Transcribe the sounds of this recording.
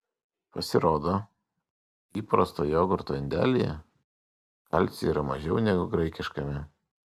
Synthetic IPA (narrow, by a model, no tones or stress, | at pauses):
pɐsʲɪɾoːd̪oː | iːpɾɐst̪oːjoːɡʊɾt̪oːɪnʲd̪ʲæ̰ːlʲɪjɛ̰ | kɐlʲt̪ʲsʲiːɾɐmɐʒʲɛʊnʲɛɡʊɡɾɐɪkʲɪʃkɐmʲɪ